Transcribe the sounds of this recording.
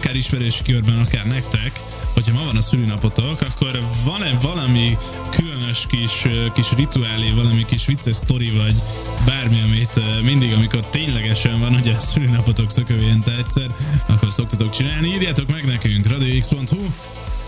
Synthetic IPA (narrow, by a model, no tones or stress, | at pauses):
kaːɾiʃmɛɾøːʃi̥kørbɛnɒkaːrnɛkt̪ɛk | ho̞chɒmɒvɒnɒsylønɒpo̞t̪o̞kɒkːo̞rvɒnɛvɒlɒmi | kʰylønøʃkiʃkiʃrit̪uaːlivɒlɒmikiʃʋit̪sɛst̪o̞ɾivɒɟ | baːrmiɒmit̪mind̪iɡɒmiko̞rt̪eːɲlɛɡɛʃɛɱvɒnhoɟɒsylyːnɒpot̪o̞ksøkøːjɛnt̪ɛɛcsɛrɒ̰kːo̞rso̞kt̪ɒt̪o̞k̚t͡ʃinaːlniiːrjaːt̪o̞kmɛɡnɛkyŋkrɒd̪ioikspo̞nt̪hu